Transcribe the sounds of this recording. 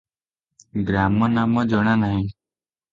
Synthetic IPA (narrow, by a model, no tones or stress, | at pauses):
ɡɾaːmə̃ːnaːmãːd͡ʒəɳ̃ãːnaːɦĩː